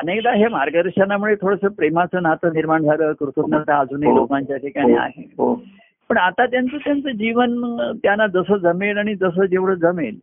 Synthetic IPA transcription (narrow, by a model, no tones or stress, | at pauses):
ənekd̪aɦemaɾɡəd̪əʂanːamuɭet̪ʰoɽəsəpɾemat͡səːnat͡s̪əniɾmaɳd͡zʱaɾəːkɾut̪ʰut̪nat̪aːd͡zʱunilokaɲt͡ɕjaʈʰikaɽ̃ia̰ɦeɦo | pəɳat̪at̪jant͡sət̪jant͡səd͡ʑiʋənt̪janːad͡zəsəd͡zəmelaɽ̃id͡zəs̬əd͡ʑeʋɽəd͡zəmel